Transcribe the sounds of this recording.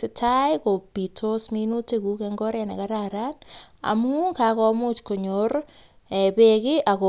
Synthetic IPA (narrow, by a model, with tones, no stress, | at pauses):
sɪtʰajko˨pi˨tʰosmi˧nu˦teku˦kɛŋɡɔ˦ɾɛna̰˨kaɾaɾa˦na̰˨mu˦ka˨kɔ˧mu˦t͡ʃko˨ɲor | ɛ˨pekɪ˦ʔa˨ko